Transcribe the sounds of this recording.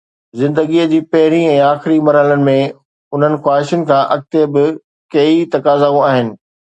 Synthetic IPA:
zɪ̃nd̪əɡiːəd͡ʑiːpɐɦɪɾiɛ̃ːaːxɪɾimɐɾaːlənɪ̆mẽ | ʊn̤ənɪ̆xwaːɦɪʃənɪ̆kʰãːʔɐk̚t̪ebɪ | kɐit̪ɐkaːzaːũaːɦɪnɪ̆

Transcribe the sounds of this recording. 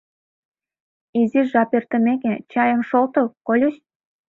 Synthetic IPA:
iziʒɑpert̪ə̆meket͡ɕɑjə̆mʃolt̪okolʲuɕ

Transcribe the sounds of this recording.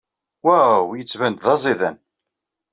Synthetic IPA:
wæwjət͡sːvænd̪ðɑzˤiðæn

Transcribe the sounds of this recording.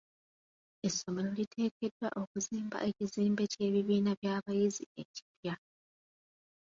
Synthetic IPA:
e̞sːo̞me̞lo̞litʰe̞ːdke̞dwa̰ʔo̞kuziːmba̰ʔe̞ciziːmbe̞ce̞ːβiβiːnaβjaːβajizḭe̞ci̥pja

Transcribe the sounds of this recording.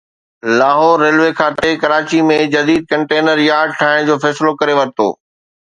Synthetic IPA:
laːɦoːɾːeːlʋekʰaːt̪ekɐɾaːt͡ɕimẽd͡ʑɐd̪iːd̪̚kɐ̃ɳʈeːnəɾjaːɾɖ̚ʈʰaːɦɪɽ̃d͡ʑoːfɛːsɪlokɐɾeʋɐɾt̪o̰ː

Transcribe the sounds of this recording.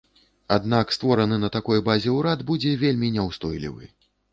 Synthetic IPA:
ad̪nakst̪vɔɾɐnɨnɐt̪akɔjbazʲɛwɾad̪bud͡zʲɛvʲelʲmʲinʲɛwst̪ɔjlʲḭvɨ̰

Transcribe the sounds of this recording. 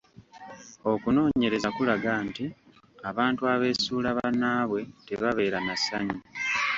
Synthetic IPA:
o̞kuno̞ːɲe̞ɾe̞zakulaɡaːnti | aβaːntuaβe̞ːsuːlaβanaːβwe̞te̞βaβe̞ːɾanasaɲi

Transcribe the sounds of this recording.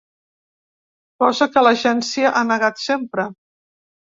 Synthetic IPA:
pɔzəkələʒɛnsiəʔanəɣat̪sempɾə

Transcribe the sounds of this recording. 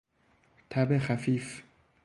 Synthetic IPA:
t̪ʰabexafiːf

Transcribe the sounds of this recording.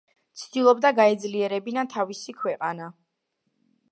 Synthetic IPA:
t̪sʰd̪̥ilˠɔbd̪aɡaɛd̪zliɛɾɛbinat̪ʰavisikʰwɛqʼana

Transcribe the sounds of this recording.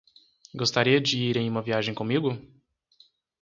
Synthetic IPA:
ɡost̪aɾiɐd͡ʒɪiɾẽj̃ũmɐviaʒẽj̃kõmiɡʊ

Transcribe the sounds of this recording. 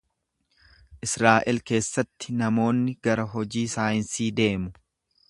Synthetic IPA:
ʔɪsɾaːʔɪlke̞ːsːɐt̪ːɪ̥nɐmo̞ːnːɪɡɐɾɐɦɔd͡ʒiːsaːjɪnsiːd̪e̞ːmʊ

